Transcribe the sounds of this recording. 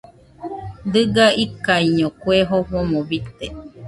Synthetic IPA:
d̪ɨɡaikaiɲõkweɦoɸomõbit̪e

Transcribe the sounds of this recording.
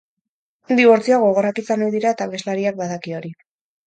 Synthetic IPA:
d̪iβo̞ɾt͡sioaɣooɣoɾakit͡sanojðiɾaet̪aβe̞zlaɾiak̚baðakio̞ɾi

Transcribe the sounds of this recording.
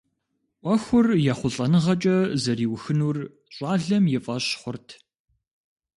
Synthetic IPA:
ʔʷɐxʷʊrjaːχʷʊɬʼɐnɨʁɐt͡ʃʼɐzɐɾiːwxɨnuːr | ɕʼɑːɮɐmjɪfʼɐɕχʷʊrtʰ

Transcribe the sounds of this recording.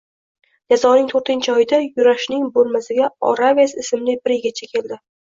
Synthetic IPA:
d͡ʒazɒnɪŋt̪ʰoɾt̪ɪnt͡ʃʰɒjɪd̪ajʊɾaʃnɪŋbolˠmasɪɡʲaɒ̰ɾaviasɪsɪmlɪbɪɾɪɡʲat͡ʃʰakʲʰe̞ld̪ɪ

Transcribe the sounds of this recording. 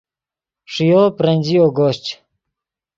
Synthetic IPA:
ʂijoːpɾɐnʲd͡ʑijoːɡoɕt͡ɕ

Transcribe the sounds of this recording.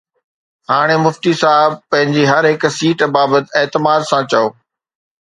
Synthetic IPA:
haːɽ̃emʊft̪isaːɦɪbpːɐ̃ɦɪ̃ɲd͡ʑiɦɐɾɦɪksiːʈbaːbət̪ɪeːt̪ɪmaːd̪sãt͡ɕɐjoː

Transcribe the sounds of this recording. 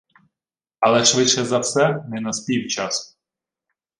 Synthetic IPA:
ɐlˠɛʂʋɪʃɛzɐwsɛnɪnɐspʲiwt͡ʃas

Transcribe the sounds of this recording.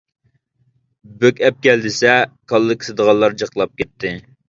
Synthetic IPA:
bøkʲɛp̚kʲɛld̪ɪsɛkʰɑlˠːɨkʲʰsɨd̪əʁɑlˠːɑɾd͡ʒɑqlˠɑp̚kʲɛt̪ʰːɪ

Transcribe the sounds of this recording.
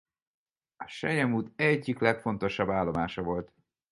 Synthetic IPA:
ɒʃɛjɛmuːt̪ɛɟːiklɛkfo̞nt̪o̞ʃɒbːaːlːo̞maːʃɒvo̞lt̪

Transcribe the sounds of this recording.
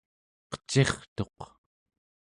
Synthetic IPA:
qə̥t͡ʃe̞χt̪o̞q

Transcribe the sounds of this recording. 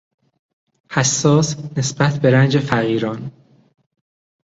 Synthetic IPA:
hæsːɒːsnesb̥æt̪ʰbe̞ɾænd͡ʒefæɣiːɾɒːn

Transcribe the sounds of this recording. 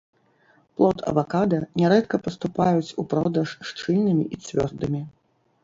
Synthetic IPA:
plˠɔt̪ʰɐ̰vakad̪ɐnʲɛɾɛt̪kɐpɐst̪upajut͡sʲupɾɔd̪ɐʂːt͡ʂɨlʲnɨmʲḭʔit͡sʲvʲɔ̰rd̪ɨmʲi

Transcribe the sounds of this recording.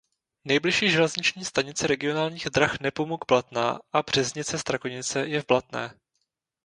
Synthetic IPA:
nɛjblɪʃiːʒɛlɛzɲɪt͡ʃɲiːst̪aɲɪt͡sɛɾɛɡɪonaːlɲiːɣd̪ɾaxnɛpomuɡblat̪na̰ːʔabr̝̥ɛzɲɪt͡sɛst̪ɾakoɲɪt͡sɛjɛvblat̪nɛ̰ː

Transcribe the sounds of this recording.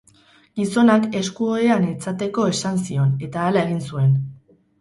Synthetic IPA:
ɡ̥iso̞nake̞skuo̞eanet͡sat̪e̞ko̞e̞sansio̞ne̞t̪aːlae̞ɣ̞insue̞n

